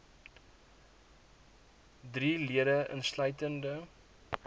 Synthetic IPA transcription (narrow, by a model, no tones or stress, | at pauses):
driːliədəʔə̰nslœɥtəndə